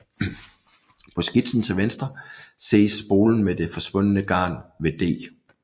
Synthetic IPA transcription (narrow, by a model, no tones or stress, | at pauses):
pʰɒ̽sɡ̥id̥sn̩t͡sʰe̝lʋensd̥ʁɐse̝̰ːsːb̥o̝ːln̩med̥e̝fɒ̽sʋɔ̽n̰ənəɡ̥ɑ̰̈ːnʋe̝d̥e̝̰ː